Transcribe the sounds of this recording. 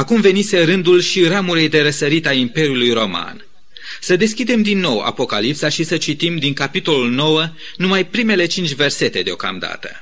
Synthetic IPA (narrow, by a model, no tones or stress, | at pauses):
akumve̞nise̞ɾɨnd̪ulʃiɾamuɾejd̪e̞ɾəsəɾit̪aimpe̞ɾjulujɾo̞ma̰n | səd̪e̞skʲid̪e̞md̪inːo̞wa̰po̞ka̰lipsaʃisət͡ʃit̪imd̪iŋkapit̪o̞lulno̞wə | numajpɾime̞le̞t͡ʃint͡ʃʲve̞rse̞t̪e̞d̪eo̞̰ka̰md̪a̰t̪ə̥̰